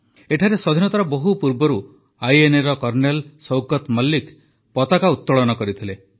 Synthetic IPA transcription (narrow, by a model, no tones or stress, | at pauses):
eʈʰaɾesɔd̪ʱinɔt̪aɾɔboɦupuɾbɔɾu | ajeneɾɔkɔɾnelsɔwkɔt̪mɔlːik | pɔt̪akaut̪ːɔɭɔnɔkɔɾit̪ʰile